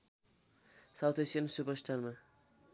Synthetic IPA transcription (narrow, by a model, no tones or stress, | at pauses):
sawt̪ʰesijʌnsupʌsʈʰanrma